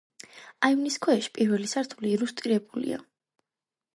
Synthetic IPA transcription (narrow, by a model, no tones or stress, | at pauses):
ajvniskʰɛɛʃi̥pʼiɾvɛlisaɾt̪ʰuliːɾust̪ʼiɾɛbulḭa̰